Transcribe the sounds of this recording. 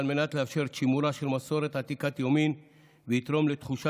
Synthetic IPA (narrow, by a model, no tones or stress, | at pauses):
lme̞nat̪leafʃe̞ʁt͡ʃimuɾaʃelmaso̞ɾe̞t̪at̪ikat̪jomin | veit̪ɾo̞mlet̪χuʃa